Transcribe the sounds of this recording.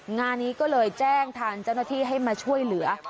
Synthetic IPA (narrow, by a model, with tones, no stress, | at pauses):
ŋaː˧nːiː˦˥kɔː˥˩lɤː˧jt͡ɕɛː˥˩ŋt̪ʰaː˧ŋt͡ɕa˥˩wnaː˥˩t̪ʰiː˥˩ɦa˥˩jmaː˧t͡ɕʰu˥˩əjlɯ˩˦ɐ